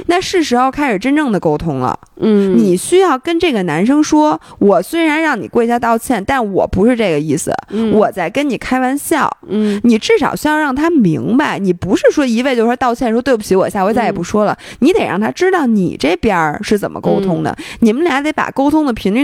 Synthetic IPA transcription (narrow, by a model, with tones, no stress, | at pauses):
na˥˧ʂɻ̩˥˩ʂɻ̩˧˥xo˥˧ʊkʰa˥ɪʂɻ̩˨˩ʈ͡ʂə˥nʈ͡ʂɤ˥˩ŋd̪ə˩ko˥ʊt̪ʰʊ˥ŋlə̰˩ | ni˨˩ɕy˥jɑ˥˩ʊkə˥nʈ͡ʂɤ˥˩ɡə˩na˧˥nʂɤ˥ŋʂwɔ˥wɔ˨˩swe˥ɪɻa˧˥nɻɑ˥˩ŋni˨˩kwe˥˧ɪɕja˥˧t̪ɑ˥˧ʊt͡ɕʰjɛ˥˩nt̪a˥˩nwɔ̰˨˩pu˧˥ʂɻ̩˥˧ʈ͡ʂɤ˥˩ɡə˩i˥˩sɹ̩̰˩wɔ˨˩t͡sa˥˩ɪkə˥nni˨˩kʰa˥ɪwa˥nɕjɑ˥˩ʊni˨˩ʈ͡ʂɻ̩˥˩ʂɑ˨˩ʊɕy˥jɑ˥˧ʊɻɑ˥˩ŋt̪ʰa˥mi˧˥ŋba˧˩ɪni˨˩pu˧˥ʂɻ̩˥˧ʂwɔ˥i˧˥we˥˧ɪt͡ɕjo˥˧ʊ˩ʂt̪ɑ˥˧ʊt͡ɕʰjɛ˥˩nʂwɔ˥t̪we˥˧ɪpu˥t͡ɕʰi˧˥wɔ˨˩ɕja˥˩wt͡sa˥˩ɪjpu˧˥ʂwɔ˥lə˨ | ni˧˥t̪e˨˩ɪɻɑ̰˥˩ŋt̪ʰa˥ʈ͡ʂɻ̩˥t̪ɑ˥˩ʊnḭ˨˩ʈ͡ʂe˥˩ɪpjɛ˥ʂɻ̩˥˩t͡sə˨˩mə̰˦ko˥ʊt̪ʰʊ˥ŋd̪ə̰˨˩ni˨˩mə˦nlt̪e˧˥ɪpa̰˨˩ko˥ʊt̪ʰʊ˥ŋd̪ə˨pʰi˧˥ŋly˥˧